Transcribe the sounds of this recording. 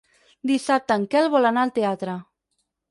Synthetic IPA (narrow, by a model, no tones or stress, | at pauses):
d̪isap̚t̪əːŋkɛlˠβɔlanaəlˠt̪eat̪ɾə